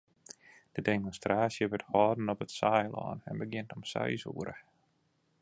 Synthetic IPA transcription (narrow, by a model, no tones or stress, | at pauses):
d̥ədemɔnstraːsjəʋɪthɔːdn̩ɔpətsajlɔ̰ːnɛ̰nbəɡɪntɔmsɛ̰jsṵəɾə̰